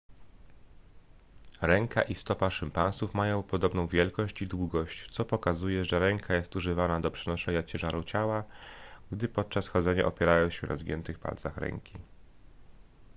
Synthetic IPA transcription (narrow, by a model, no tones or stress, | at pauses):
ɾɛŋkʰa̰ʔist̪ɔpaʂɘmpañsufmajɔ̃w̃pɔd̪ɔbnɔ̃w̃vʲjɛlkɔɕt͡ɕid̪wuɡɔɕt͡ɕt̪sɔpɔkazujɛʐɛɾɛŋkʰajɛst̪uʐɘvanad̪ɔpʂɛnɔʂɛɲat͡ɕɛʐaɾut͡ɕawaɡd̪ɘpɔt̪̚t͡ʂasxɔd̪zɛɲa̰ʔɔpʲjɛɾajɔ̃w̃ɕɛna̰zɡʲɲɛ̰nt̪ɘxpa̰lt̪saxɾɛ̰ŋkʲi